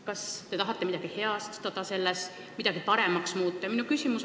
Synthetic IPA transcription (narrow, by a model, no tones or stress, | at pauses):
kɑst̪e̞t̪ɑɦɑt̪ˑːemid̪ɑɡ̥ihe̞ɑst̪t̪ɑd̪̥ɑse̞lːes | mid̪̥ɑɡipɑɾe̞mɑksmuːt̪ˑːɑjminukysʲimus